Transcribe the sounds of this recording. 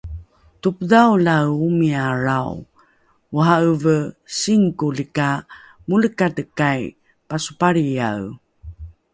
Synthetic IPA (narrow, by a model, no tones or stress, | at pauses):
tupdawlawumiaɾaw | uɦaəvəsiŋkulika | muləkadəkaj | pasu̥paɾija̰w